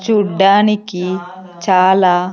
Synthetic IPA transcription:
t͡ʃuɖːaːniki | t͡ʃaːlaː

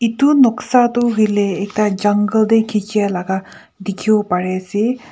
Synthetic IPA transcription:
it̪unɔksat̪uɦujleːk̚tad͡ʒaŋɡəld̪ejkʰit͡ʃijalaɡa | d̪ikʰibɔpaɹesi

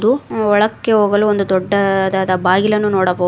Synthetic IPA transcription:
d̪uɔɭɐkːeɦoːɡɐluːond̪ud̪ɔːɐd̪ad̪ɐbaːɡilɐnːunoːɽɐbo

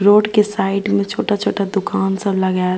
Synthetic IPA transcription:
ɾoːɖkesaːɪʈmẽt͡ʃʰoːʈat͡ʃʰoːʈad̪ʊkaːnsə̃ləɡa

